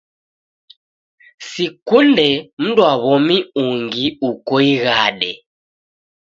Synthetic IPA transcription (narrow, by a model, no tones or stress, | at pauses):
sikundɛm̩duaβɔmiuŋɡiukɔiɣaɗɛ